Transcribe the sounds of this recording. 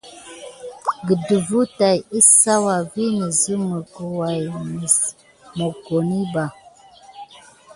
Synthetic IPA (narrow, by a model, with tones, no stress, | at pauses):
ɡə˨də˨vu˦ta˨ji˦sa˦wa˨vi˦nə˨zə˦mə˨kə˨wa˨jmə˨ | mo˨ko˨ni˦ba˨